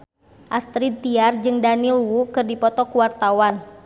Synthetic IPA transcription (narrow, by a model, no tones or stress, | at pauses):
ʔast̪ɾit̪iard͡ʒɨŋdanilwukɨrdipɔt̪ɔkuwart̪awan